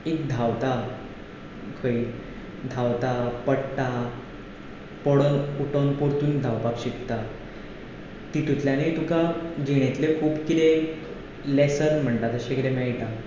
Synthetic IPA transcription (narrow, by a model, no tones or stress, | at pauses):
ek̚d̪ʱawt̪a | kʰəi | d̪ʱawt̪apəɽt̪a | pɔɽonuʈonpoɾt̪uːnd̪ʱawpakɕikt̪a | t̪it̪ut̪ljanet̪ukad͡ʑeɽ̃et̪lekʰuːbkit̪eːk | lesəɾm̤əɳʈ̪at̪əɕekit̪emaiʈ̪a